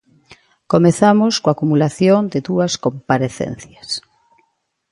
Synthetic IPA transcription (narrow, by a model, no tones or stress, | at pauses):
komeθamoskoakumulaθjoŋd̪ɪðuɐskompaɾeθɛ̰n̟θjɐs